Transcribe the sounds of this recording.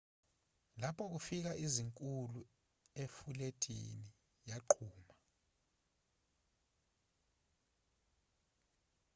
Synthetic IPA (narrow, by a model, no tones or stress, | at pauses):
lapʰɔk̬ufik̬aʔiziŋkʼulu | efuletʰḭni | jaǃʰuːma